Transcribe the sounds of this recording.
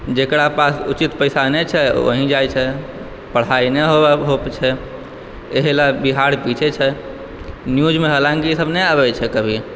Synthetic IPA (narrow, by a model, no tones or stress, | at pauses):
d͡ʒekɽapasṵt͡ʃit̪pəjsanɛt͡ʃʰɛo̰ɦĩd͡ʒajt͡ʃʰɛ | pəɽ̤ainɛɦobɛɦokt͡ʃʰɛ | eɦilabiɦaɾpit͡ʃʰet͡ʃʰɛ | njud͡ʒmeɦəlãŋkisəbnɛabɛt͡ʃʰɛkəbʱi